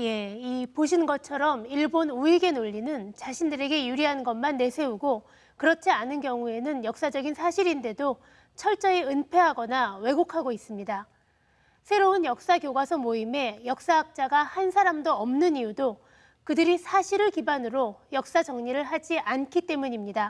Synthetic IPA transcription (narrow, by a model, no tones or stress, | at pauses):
je̞ipoɕʰinɡʌt͡ɕʰʌɾʌmiɭbonuiɡe̞noʎːinɯnt͡ɕaɕʰindɯɾe̞ɡe̞juɾiɦannɡʌmanːe̞sʰe̞uɡo | kɯɾʌt͡ɕʰianɯnkjʌŋue̞nɯnjʌk̚s͈ad͡ʑʌɡinsʰaɕʰiɾinde̞do | t͡ɕʰʌɭt͡ɕ͈ʌeɯnpʰe̞ɦaɡʌnawe̞ɡokʰaɡois͈ɯmɲida | sʰe̞ɾoɯnjʌk̚s͈akjoɡwasʰʌmoime̞jʌk̚s͈aɦak̚t͡ɕ͈aɡahansʰaɾamdoʌmnɯnijudo | kɯdɯɾisʰaɕʰiɾɯɭkibanɯɾojʌk̚s͈ad͡ʑʌŋɲiɾɯɭɦad͡ʑiʔankʰit͈e̞muɲimɲida